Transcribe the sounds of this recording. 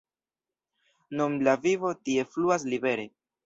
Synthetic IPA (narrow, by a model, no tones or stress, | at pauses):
numlavivo̞tie̞fluas̬libe̞ɾe̞